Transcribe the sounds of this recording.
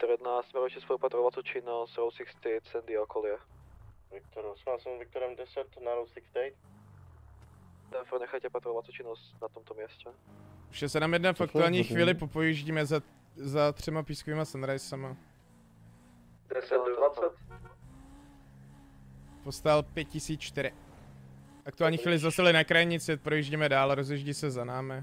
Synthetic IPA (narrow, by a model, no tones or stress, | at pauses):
t̪ɾɛd̪nast̪mɛɾot͡ʃɛspoupat̪ɾovat̪t̪ot͡ʃɪnost̪ɾowsɪkst̪ɛjt̪sɛnd̪ɪalkʰolɪjɛvɪk̚t̪oɾsmalsɛmvɪk̚t̪oɾɛmdɛsɛt̪naɾowsɪkst̪ɛjt̪ | d̪ɛfɾnɛxajcɛpat̪ɾovat̪t̪ot͡ʃɪnost̪nat̪omt̪omjɛscɛuʃɛsɛnamjɛdnafakt̪uaːlɲiːxviːlɪpopojiʒɟiːmɛz | zat̪r̝̥ɛmapiːskoviːmasanɾajsɛma | dɛsɛvat͡sɛt̪ | post̪alpjɛt̪̚cɪsiːt͡st͡ʃt̪ɪɾɪ | ʔak̚t̪uaːlɲiːxiːlɪzast̪alɪnakɾajɲɪt͡sɪpɾojiːʒɟimɛdaːlɾozjɛʒɟisɛzanaːmɪ